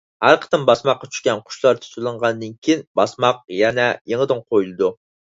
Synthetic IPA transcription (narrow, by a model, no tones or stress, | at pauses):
hæɾqʰə̥t̪ɨmbɑsmɑqːɑt͡ʃʰy̥ʃkʲɛnqʰʊ̥ʃlˠɑɾt̪ʰy̥t̪ɨlˠɨɴʁɑnd̪ɨnkʲʰijinbɑsmɑq̚jɛnɛjeŋəd̪ɨŋqʰojulˠɨd̪u